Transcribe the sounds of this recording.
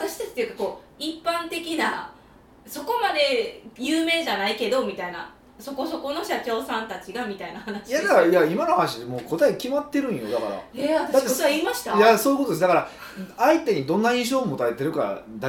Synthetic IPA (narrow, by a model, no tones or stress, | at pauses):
at̪aɕi̥t̪at͡ɕi̥t̪ːejɯ̟kḁko̞ː | ipːãnt̪e̞kʲina | so̞ko̞mad̪e̞jɯːme̞ːʑanaike̞d̪o̞mʲit̪aina̰ | so̞ko̞so̞ko̞no̞ɕat͡ɕo̞ːsãnt̪at͡ɕiɡamʲit̪ainahanaɕi̥jad̪akaɾjaimanohanaɕ̬id̪emoːko̞t̪aikʲimat̪ːe̞ɾɯ̟̃ɰ̃jo̞d̪akaɾa̰eat̪ad̪at̪ːeoaiːmaɕi̥t̪ajasoːiɯkot̪od̪esd̪akaɾaait̪e̞ɲ̟id̪õ̞nːaĩɕ̬o̞ːmo̞t̪aɾet̪e̞ɾɯ̟ka̰d̪a